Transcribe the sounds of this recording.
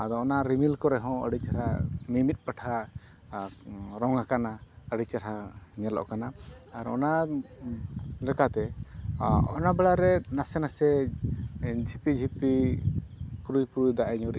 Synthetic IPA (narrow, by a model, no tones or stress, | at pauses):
ad̪ɔɔnaɾimilkɔɾɛɦɔ̃ə̰ɽit͡ʃaɾamimit̪̚ˀpaʈʰa | ɾɔŋakanaəɽit͡ʃaɾaɲɛlɔ̰ʔkanaː | ɾɔ̰na | lɛkat̪ɛ | ɔnabɛɭaɾɛnasɛnasɛ | d͡ʒʱipid͡ʒʱipi | puɾujpuɾujd̪aʔɛɲɔɾi